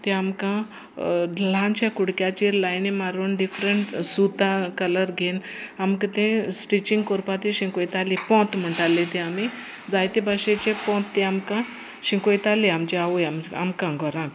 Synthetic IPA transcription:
t̪ẽamkã | lãnt͡ɕjakuɽkjat͡ɕelajnimaɾuːnɖifɾəɳʈsut̪ãkələɾɡʱenamkət̪ẽsʈit͡ɕĩŋɡkɔɾpat̪eɕĩkojt̪alipɔ̃t̪m̤əɳʈalːet̪ẽami | d͡zajt̪ẽbaɕet͡ɕepɔ̃t̪ːẽamkã | ɕĩkojt̪alĩamt͡ɕeaʋujama̰mkãɡʱɔɾãk

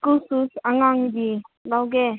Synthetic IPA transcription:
kususaŋaŋd̪ilawɡɛ

